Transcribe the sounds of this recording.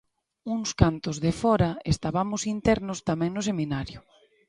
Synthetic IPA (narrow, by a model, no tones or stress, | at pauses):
uŋskant̪ʊzðefɔɾɐest̪aβamʊsint̪ɛɾnʊst̪amɛ̃ŋnʊseminaɾjʊ